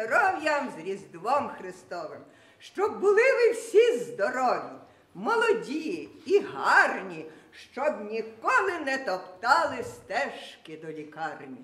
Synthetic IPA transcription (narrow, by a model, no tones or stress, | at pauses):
ɔɾɔwjɐmzrʲizd̪ʋɔmxrɪst̪ɔʋɪm | ʃt͡ʃɔbbʊlˠɪʋɪwsʲizd̪ɔɾɔʋʲji | mɔlˠɔdʲiiɦɑrnʲiʃt͡ʃɔbnʲikɔlˠɪnɛt̪ɔpt̪ɑlˠɪst̪ɛʃkɪd̪ɔlʲikɑrnʲi